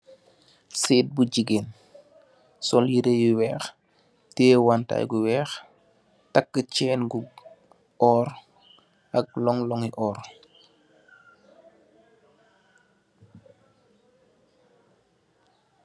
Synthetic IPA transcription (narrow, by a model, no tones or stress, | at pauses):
siːt̚bud͡ʒiɡen | sɔljiɾejuwɛːx | tɛːwanta̰ːjɡuwɛːx | takːət͡ʃɛːnɡu | ɔːɾ | ʔɐk̚lɔŋlɔŋiʔɔːr